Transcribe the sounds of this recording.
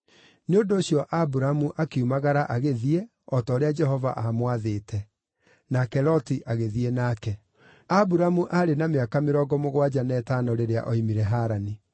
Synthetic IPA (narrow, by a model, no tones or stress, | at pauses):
neondoːɕiɔʔabuɾamuʔakeumaɣaɾaʔaɣeðie | ɔtɔːɾead͡ʒɛɦɔva̰ʔamwaðeːtɛ | nakɛɾɔtiʔaɣeðienakɛ | abuɾamuʔaɾenameakameɾɔɡɔmoɣwad͡ʑanɛːtaːnɔɾeɾea̰ʔɔimiɾɛɦaːɾani